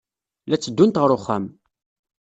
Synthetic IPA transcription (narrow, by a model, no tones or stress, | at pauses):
læt͡sːəd̪ːunt̪ʁəɾʊχːæm